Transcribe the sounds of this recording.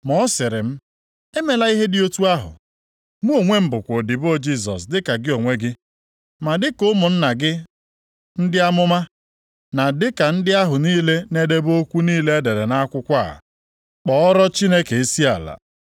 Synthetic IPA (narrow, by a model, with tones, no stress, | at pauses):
mɔ˦sɪ˨ɾɪ˨m̩˦ | e˦me˨la˦i˦ɦe˦dɪ˦o˦tu˦a˦ɦʊ̰˨ | mu˦o˨ŋʷe˦m̩˦˨bʊ˨kʷo˨dɪ˨bo˦d͡ʒi˦sɔ̰˨s̬dɪ˦ka˨ɡɪ˦o˨ŋʷe˦ɡɪ˦ | ma˨dɪ˦kʊ˦mʊ˨n̩˦na˨ɡɪ˦ | n̩˦dɪ˦a˦mʊ˦ma˦ | na˨dɪ˦ka˨n̩˦dɪ˦a˦ɦʊ˨niː˦le˦ne˦de˦bo˦kʷu˦niː˦le˦e˦de˨ɾe˨na˦kʷʊ˦kʷa̰˦˨ | k͡pɔ˨ɔ˦ɾɔ˦t͡ʃi˦ne˦ke˨e˦si˦a˨la̰˨